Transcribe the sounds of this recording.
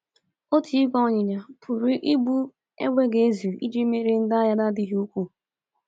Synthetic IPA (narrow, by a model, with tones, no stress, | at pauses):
o˦tʰi˨˦ɡɔ˦˨ɲɪ˨ɲa˨pʰʊ˨ɾi˦ʔi˦bu˦ | ḛ˦ɡʷe˦ɡe˨e˦zu˨i˦d͡ʒe˦me˦ɾe˦n̩˦da˦ja˦da˦dɪ˦ɦi˦u˦kʷu˦˨